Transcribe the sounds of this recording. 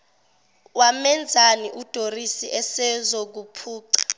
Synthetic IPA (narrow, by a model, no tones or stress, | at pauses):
wamɛnd͡zʱaniʔud̥ʱorisiʔɛsɛzok̬upʰuːǀḁ